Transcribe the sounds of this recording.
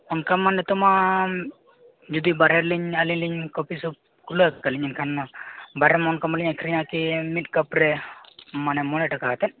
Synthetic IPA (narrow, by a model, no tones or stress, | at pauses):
ɔnkamanːɛt̪ɔma | d͡ʒud̪ibaɾɛɾliɲaliɲliɲkɔpisup̚ | kuləkːəliɲinkʰanbaɾɛmɔnkamaliɲakʰɾiɲakimit̪̚kəpɾɛ | manɛmɔnɛʈakaɦat̪ɛn